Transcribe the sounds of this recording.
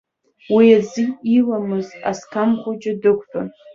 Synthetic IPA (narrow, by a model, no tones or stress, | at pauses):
wiaziilamɨza̰skʰamχʷʊt͡ʃʼɪdɨkʷʰʼpʼan